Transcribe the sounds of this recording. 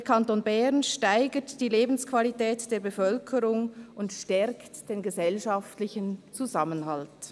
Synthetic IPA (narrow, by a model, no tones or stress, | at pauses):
dəɐkʰantoːnbɛʁnʃtaɪɡətd̥iːleːbn̩skv̥alitɛːtd̥eːɐbəfœlkʰəʁʊŋʊntʃtɛɾktd̥eːnɡəzɛlʃaftlɪçənt͡suzamənhalt